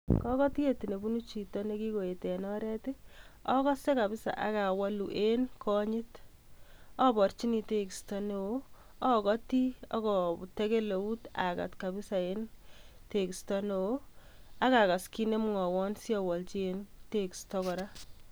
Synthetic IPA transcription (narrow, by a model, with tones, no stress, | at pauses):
kɔ˦kɔ˦ti˦e˨ti˨ne˨bu˦nu˦t͡ʃi˨tɔ˦ne˦ki˦ko˨e˨te˨nɔ˦ɾɛ˦te˦ɔ˦kɔ˦se˦ka˨bɪ˦sa̰˨ʔa̰˨ka˨wa˦lu˨ʔe˦nkʰɔ˦ɲɪ˦t | ɔ˦bɔ˨rt͡ʃi˦ni˦te˦ki˨stɔ˦no˨o˦ | ɔ˦kɔ˦ti˦ɔ̰˦kɔ˨te˦ke˦le˨u˦ta̰˨ka̰˨tka˨bɪ˦sa˨e˦nte˨ki˨stɔ˦no˨o˦a˦ka˨ka˨ski˦ne˦mŋɔ˨wɔ˦nsjɔ˨wɔ˨lt͡ʃi˦e˦nte˦kstɔ˦kɔ˨ɾa˦